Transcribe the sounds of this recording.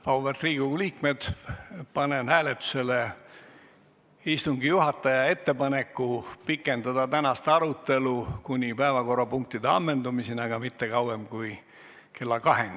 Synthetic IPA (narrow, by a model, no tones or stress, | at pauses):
ɑubert̪riːɡ̥uuliːkmed̪̥pɑnenhæːlet̪ːu̥se̞le | ist̪uŋɡijuɦɑt̪ːˑɑjɑe̞t̪ːe̞pɑnekːupikːˑe̞nd̪̥ɑd̪̥ɑt̪ænɑst̪ɑɾut̪ːˑe̞lukunʲipæevɑko̞rɑpuŋk̚t̪id̪eɑmːe̞nd̪umisinɑɡ̥ɑmit̪ːe̞kɑwemkuj | ke̞lːɑkɑɦen